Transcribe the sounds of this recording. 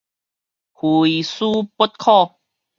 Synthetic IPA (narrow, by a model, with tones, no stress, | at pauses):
hu˨i˨su˦pu˦˥t̚kʰɔ˥˧